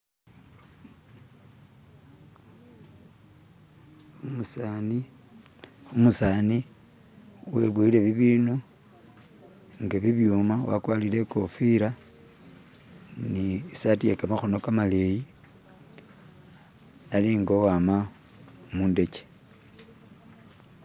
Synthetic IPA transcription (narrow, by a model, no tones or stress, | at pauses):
musani | umusaːni | weβwuile̞βiβiːnu | ŋɡaβiβjumawa̰kwalile̞kofiɾa | niisatiekamaxono̞kamaleji | aliŋɡowama | muːnde̞t͡ʃe̥